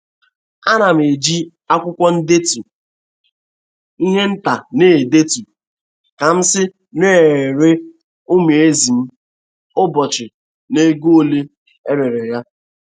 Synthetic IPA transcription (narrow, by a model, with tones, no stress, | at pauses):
a˦na˨m˨e˨d͡ʒi˦ | a˦kʷʊ˦kʷɔ˦n̩˦de˦tu˨ | i˦ɦe˦n̩˦ta˨neː˦˨de˦tu˨ | ka˨m̩˦sɪ˦ | ne˦e˨ɾe˦ | o˦me˨e˦zi˨m̩˦ | ʊ˦bɔ˨t͡ʃɪ˨ | ne˦ɡo˦˨le˦ | e˦ɾe˨ɾe˨ja˦